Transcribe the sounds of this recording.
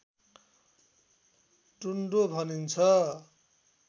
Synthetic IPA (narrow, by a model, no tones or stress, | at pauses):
ʈuɳɖobʱʌnint͡sʰʌ